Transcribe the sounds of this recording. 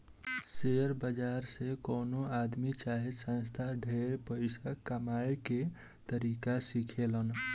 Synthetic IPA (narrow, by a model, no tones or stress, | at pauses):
seɾbəd͡ʒaɾsekonoad̪mit͡ʃaɦisə̃nst̪ʰaɖʱeɾpəɪsakːəmajeke | t̪əɾikasikʰelən